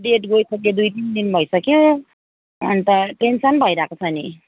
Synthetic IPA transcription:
ɖeʈɡojsʌkjod̪ujʈindinbʱʌjsʌkjo̰ː | nit̪ʌʈensʌnbʱʌjɾakat͡sʰani

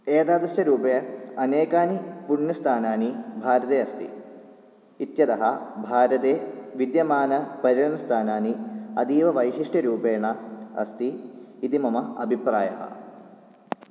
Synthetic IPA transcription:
eːd̪aːd̪ɾɐɕɐɾuːpeɐneːkaːnipuɳːɐst̪ʰaːnaːnibʱaːɾɐt̪eːɐst̪ḭ | it̪jɐd̪ɐɦɐbʱaːɾɐt̪eːʋid̪jɐmaːnɐpɐɾiɻɐnɐst̪ʰaːnaːniɐd̪iːʋɐʋɐjɦiʂʈɐɾuːpeːɳɐɐ̰st̪iːt̪imɐmɐɐ̰bʱipɾaːjɐ̰ɦɐ̰

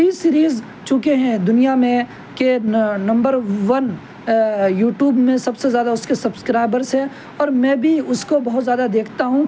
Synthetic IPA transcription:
isiːɾiːz | t͡ʃʊkeɦɛ̃d̪ʊnijamẽ | kenɐ̃mbəɾʋɐn | juːʈjuːbmẽsɐbsezjaːd̪aʊskesɐbskɾaːɪbəɾzɦɛ̃ | ɔːɾmɛ̃ːbʱiʊskobɐɦʊt̪zjaːd̪ad̪eːkʰt̪aɦũ

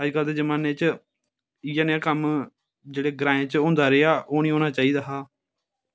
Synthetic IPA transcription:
ɦaːd͡ʒkald̪eːd͡ʒəmaːneːt͡ʃ | iːjãːnãːkəm | d͡ʒeːɽeːɡɾãːẽːt͡ʃõːnd̪aːɾeːaːʔoːnĩːoːnaːt͡ʃaːiːd̪aːɦaː

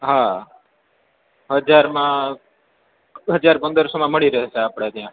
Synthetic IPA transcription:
ɦa | ɦəd͡ʒaɾmã | ɦəd͡ʒaɾpənd̪əɾsomãməɭiɾəɦeʃʰeapɽ̃et̪jã

